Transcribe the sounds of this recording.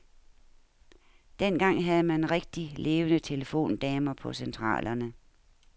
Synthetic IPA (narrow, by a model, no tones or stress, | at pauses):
d̥en̰ɡ̥ɑ̈ŋ̰ɦæð̞ˠəmænʁeɡ̥̚d̥ile̝ːʋənət͡sʰe̝ləfo̝̰ːnd̥ɛːmɐpʰɒ̽sent͡sʰʁɑ̰̈ːlʔɐnə